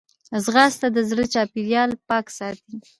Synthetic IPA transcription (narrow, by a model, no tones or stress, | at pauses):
zɣɑst̪ad̪əzɽət͡ʃɑpiɾjɑlpɑksɑt̪i